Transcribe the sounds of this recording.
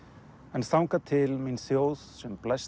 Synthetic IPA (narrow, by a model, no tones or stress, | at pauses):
ɛ̃nsawŋkat̪ʰɪlminsjowssɛmplɛs